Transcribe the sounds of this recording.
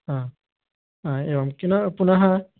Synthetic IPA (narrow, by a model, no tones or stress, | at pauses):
a | ãewamkinapunaɦã